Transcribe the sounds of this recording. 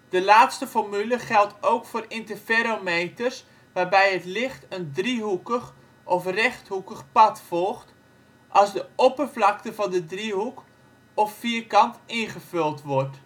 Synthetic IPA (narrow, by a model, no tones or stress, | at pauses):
d̥əlaːtstəfɔrmyləχɛlˠtʰowkfoːrɪntəfeɾomejtərs | ʋaːrbɛjətlɪχtəndriɦukəχ | ʔɔfrɛχthukəχpɑtfɔlˠχt | ʔɑlˠzdəɔpərvlɑk̚təvɑndədriɦuk | ɔffiərkɑntɪnχəv̥ɵlˠtʋɔrt